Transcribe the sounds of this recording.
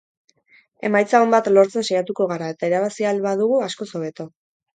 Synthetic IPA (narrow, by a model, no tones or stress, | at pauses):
e̞̰majt͡saombat̪lo̞ɾt͡se̞nʃajat̪uko̞ɣ̞aɾae̞t̪aiɾaβ̞asialβaðuɣ̞uasko̞so̞βe̞t̪o̞